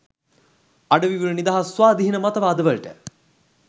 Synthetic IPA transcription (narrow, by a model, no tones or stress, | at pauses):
aɖəʋiʋuɾənid̪aɦasʋaːd̪iɦinəmat̪əʋaːd̪əʋəɭʈə̰